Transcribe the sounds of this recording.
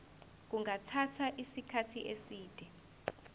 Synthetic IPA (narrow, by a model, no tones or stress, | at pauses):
k̬uŋatʰatʰaʔisikʰatʰiʔesiːd̥ʱɛ